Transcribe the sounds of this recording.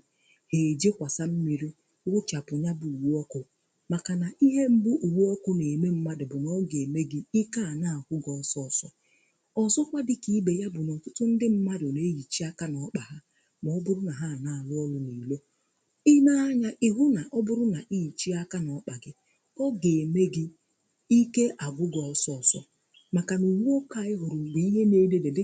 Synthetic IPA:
he˨d͡ʒe˦kʷa˨sa˦m̩˦mi˨ɾi˦ | wʷʊ˦t͡ʃa˨pʊ˨ɲa˦bu˨u˨wu˦ɔ˦kʊ˨ | ma˨ka˨na˨i˦ɦe˦m̩˦bʊ˦ʔu˨wu˦ɔ˦kʊ˦ne˨me˦m̩˦ma˦dɪ˨bʊ˨nɔ˦ɡe˨me˦ɡɪ˦i˦ka˦a˨na˦˨a˨kʷʊ˦ɡɔ˨sɔ˦˨sɔ˦ | ɔ˨sɔ˦kʷa˦dɪ˦ki˦be˨ja˦bʊ˨nɔ˨n̩˨tʊ˦tʊ˦n̩˦dɪ˦m̩˦ma˦dɪ˨o˨ne˦ji˨t͡ʃi˦a˦ka˦nɔ˨˦k͡pa˨ɦa˦ | m˨ɔ˦bʊ˦ɾʊ˦na˨ɦa˦˨na˨a˨lʊ˦ɔ˦lʊ˦ni˨lo˦ | i˦na˦a˦ɲa˦ʔɪ˦ɦʊ˦na˨ʔɔ˦bʊ˦ɾʊ˦na˨ʔi˦˨t͡ʃi˦a˦ka˦nɔ˨˦k͡pa˨ɡɪ˦ | kɔ˦ɡe˨me˦ɡɪ˦ | i˦ke˦ʔa˨ɡʷʊ˦ɡɔ˨sɔ˦˨sɔ̰˨ | ma˨ka˨nu˨wu˦o˦ka˦ɪ˦ɦʊ˨ɾʊ˨ɡ͡bi˨i˦ɦe˦ne˦de˨de˨dɪ˦

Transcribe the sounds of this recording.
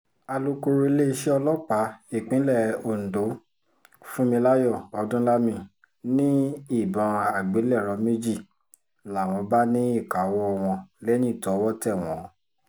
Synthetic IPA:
a˧lu˦ko˧ɾo˧˦le˦i˧ʃɛ˦ɔ˧lɔ˦k͡pa˨˦i˦˨k͡pĩ˨˦lɛ˦˨o˨n̩˨do˨˦ | fũ˦mĩ˧la˦jɔ˦˨ɔ˨˧dũ˦la˦mĩ˧˨ | nĩ˦i˦˨bɔ̃˨a˨ɡ͡be˨˦lɛ˦˨ɾɔ˨˧˦mẽ˦d͡ʒi˦˨ | la˨w̃ɔ̃˧ba˦nĩ˦i˦˨ka˨˦wɔ˦˧w̃ɔ̃˧lɛ˦nĩ˦˨tɔ˨˦wɔ˦tɛ˦˨w̃ɔ̃˨˦

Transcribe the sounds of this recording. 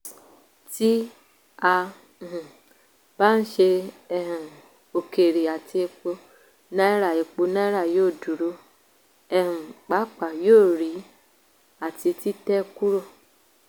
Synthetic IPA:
ti˦ | a˧˨ | ũ˨ | ba˦n̩˦ʃe˧ | ɛ˧hũ˨ | o˨ke˨ɾi˨a˨ti˧e˧k͡po˧ | nã˦ɾa˦˨e˨k͡po˧nã˦ɾa˦˨joː˦˨du˨ɾo˧˦ | ɛ˧hũ˨k͡pa˨˦k͡pa˨joː˦˨ɾi˨˦ | a˦˨ti˧ti˦tɛ˦˧ku˦ɾo˦˨

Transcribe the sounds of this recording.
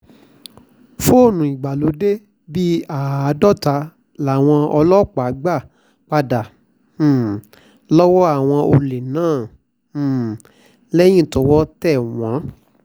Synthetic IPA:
fo˦o˦˨nũ˨i˨ɡ͡ba˨lo˨˦de˦ | bi˦a˨a˨˧dɔ˦˨ta˧ | la˨w̃ɔ̃˧ɔ˧lɔ˦˨k͡pa˨˦ɡ͡ba˦˨ | k͡pa˧dã˨ | lɔ˦wɔ˦a˦˨w̃ɔ̃˧ʔo˧le˨nãː˦˨ | lɛ˦j̃ĩ˦˨to˧˦wɔ˦tɛ˦˨w̃ɔ̃˨˦

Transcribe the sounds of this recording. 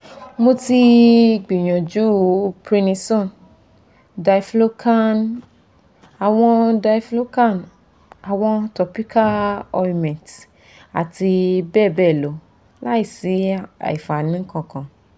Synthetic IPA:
mo˧ti˧ɡ͡bi˨j̃ɔ̃˨d͡ʒu˨˦pɾi˧nĩ˧sɔ̃˦˨n | da˧i˨flo˦kʰa˦n | a˨w̃ɔ̃˧da˧i˦flo˦ka˦˨n | a˨w̃ɔ̃˧tɔ˧pi˦ka˦lɔ˧i˧mɛ̃˨t | a̰˨ti˧bɛ˦˨bɛ˦˨lo˨˦ | la˦i˦˨si˨˦a̰˨i˨fa˨nĩ˨˦kã˦˨kã˨

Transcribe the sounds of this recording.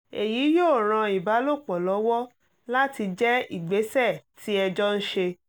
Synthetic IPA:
e˨ji˨˦jo˦˨ɾ̃ã˧i˨ba˨˦lo˦˨k͡pɔ˨lɔ˨˦wɔ˦ | la˦ti˧d͡ʒɛ˦i˦˨ɡ͡be˨˦sɛ˦˨tʰi˦ɛ˧d͡ʒɔ˦n̩˦ʃe˧

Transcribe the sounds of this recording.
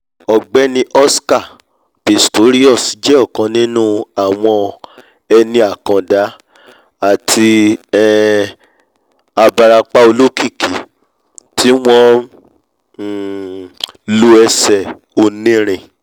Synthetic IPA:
ɔ˨ɡ͡bɛ˨˦nĩ˧˦ʔɔ˦ska˦˨ | b̥e˨sto˨˦ɾi˦ɔ˦˨si˨˦d͡ʒɛ˦ɔ˦˨kã˨˧nĩ˦nũ˦a˨w̃ɔ̃˧ | ɛ˧nĩ˧a˨kã˨da˨˦ | a˦˨tʰi˧ɛ˨ | a˧ba˧ɾa˧k͡pa˦o˧lo˦ki˦˨ki˨ | tʰi˦w̃ɔ̃˦˨ | lo˧˦ɛ˧sɛ˨ | o˧nĩ˦ɾ̃ĩ˨

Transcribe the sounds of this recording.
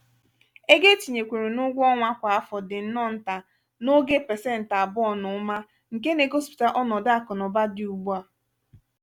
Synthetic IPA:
e˦ɡe˦t͡ʃi˨ɲe˨kʷe˨ɾe˨nʊ˦ɡʷɔ˦ŋʷa˦kʷa˨a˦fɔ˨dɪ˨n̩˦nɔ˦n̩˨ta˨ | no˦ɡe˦pɛ˨sɛ˦˨n̩˨ta˨bʊ˦ɔ˦nʊ˨˦ma˦ | ŋ̩˨ke˦ne˨ɡo˦spi̥˨ta˨ʔɔ˦nɔ˨da˦kɔ˨nɔ˨ba˦dɪ˨u˨ɡ͡ba˨

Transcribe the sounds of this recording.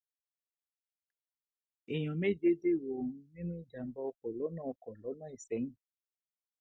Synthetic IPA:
i˨j̃ɔ̃˨me˦˨d͡ʒe˧de˦˨wo˨ũ˧nĩ˦nũ˦i˦d͡ʒa˨m̩˨˦bɔ˧ɔ˧kɔ˨lɔ˨˦nãː˦ɔ˧kɔ˨lɔ˨˦nã˦˨i˨sɛ̃˨˦

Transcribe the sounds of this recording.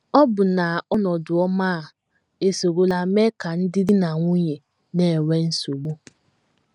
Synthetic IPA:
ɔ˦bʊ˨na˨ɔ˦nɔ˨dʊ˨ɔ˦maː˦˨ | e˨so˨ɡo˦la˨me˦ka˨n̩˦dɪ˦dɪ˦na˨ŋʷu˦ɲe˨ | ne˨we˦n̩˦so˨ɡ͡bo˦

